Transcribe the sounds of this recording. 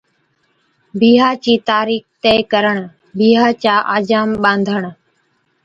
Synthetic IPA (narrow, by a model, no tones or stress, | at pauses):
biːɦaːt͡ʃiːt̪aːɾiːxt̪eːkəɾəɳ | bʱiːɦaːt͡ʃaːʔaːd͡ʒaːmɓãːnd̪ʱəɳ